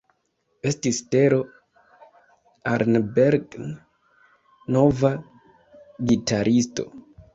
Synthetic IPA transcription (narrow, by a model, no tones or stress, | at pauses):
e̞stiste̞ɾo̞ | aɾnbeɾɡ | no̞va | ɡitaɾʔisto̞̰